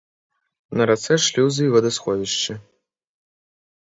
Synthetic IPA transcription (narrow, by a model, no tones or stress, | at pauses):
nɐɾat̪sɛʂlʲiwzivɐd̪ɐsxɔvʲiʂt͡ʃɨ